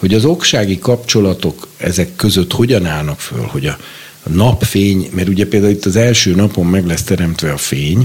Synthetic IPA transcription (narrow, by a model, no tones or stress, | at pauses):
ho̞ɟɒzo̞kʃaːɡikɒpt͡ʃo̞lɒt̪o̞kɛ̰zɛkːø̞zø̞t̪ho̞ɟɒnaːlnɒkfø̰lho̞ɟɒ | nɒpfeːɲmɛɾuɟɛpeːld̪aːuit̪ːɒzɛlʃøːnɒpo̞mːɛɡlɛst̪ɛɾɛmt̪ʋɛɒfeːɲ